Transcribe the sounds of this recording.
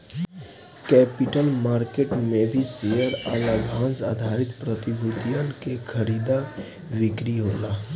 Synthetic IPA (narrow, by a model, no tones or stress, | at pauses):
kɛːpɪʈəlmaːɾkeʈmẽbʱisejəɾalabʱãːnsaːd̪ʱaɾɪt̪pɾət̪ibʱud̪ijənkekʰəɾiːd̪a | ʋɪkɾiɦoːlaː